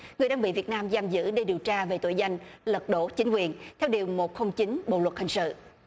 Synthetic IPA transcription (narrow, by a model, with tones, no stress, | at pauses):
ŋɨ˨˩əjɗaː˧ɓḭ˧˨vi˨˩ət̚naː˧mzaː˧mzɨ̰˧˥ɗe˧ɗi˨˩əwt͡ɕaː˧ve˨˩t̪o̰˧˩jza˧jŋ̟lə˨˩t̚ɗo̰˧˥t͡ɕï˨˦ŋ̟kwi˨˩ənt̪ʰɛ˧wɗi˨˩əwmo˨˩t̚xə˧wŋ͡mt͡ɕi˨˦nɓo̰˧˨lwə˨˩t̚hï˨˩ŋ̟sɨ̰˧˨